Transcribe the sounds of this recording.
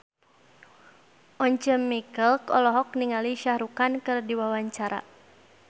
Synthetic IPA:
ʔɔɲt͡ʃəmːikəlkɔ̰lɔɦɔk̚niŋaliʃahɾukankɨrdiwawaɲt͡ʃaɾa̰

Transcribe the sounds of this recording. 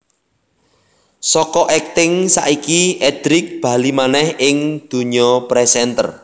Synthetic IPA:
sɔkɔʔɛk̚t̪ɪŋsa̰ʔikiɛd̪̥ɾɪk̚b̥ä̤limanɛhɪŋd̪̥ṳɲɔpɾɛsɛnt̪ər

